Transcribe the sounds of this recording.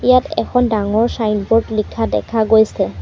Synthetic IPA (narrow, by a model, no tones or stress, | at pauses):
ijatɛ̰kʰɔndaŋɔɹsajnbɔɹdlikʰːadɛ̰kʰaɡojsɛ